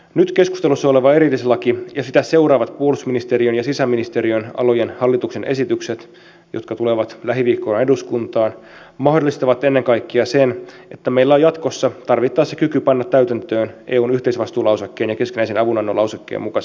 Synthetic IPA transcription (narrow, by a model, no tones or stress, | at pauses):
nyt̪ke̞skust̪elusːɑole̞ʋɑeɾilːiselːɑkijɑsit̪æse̞uɾɑːʋɑt̪puolusminist̪eɾiønjɑsisæmːinist̪eɾiønɑ̰lo̞jenhɑlːit̪uksenʔesit̪ykset̪ | jot̪kɑt̪uleʋɑt̪læɦiʋiːkːˑonneduskunt̪ɑːn | mɑɦdolːˑist̪ɑʋɑt̪ːenːeŋkɑikːiɑsen | ʔe̞t̪ːæmeilːæojɑt̪ko̞sːɑt̪ɑrʋit̪ːɑːsekykypɑnːɑt̪ːæyt̪ænt̪øːnʔeːuːnyht̪eisʋɑst̪uːlɑwsekːeːnjɑke̞skinæisenɑʋunɑnːolɑusekːḛːmukɑs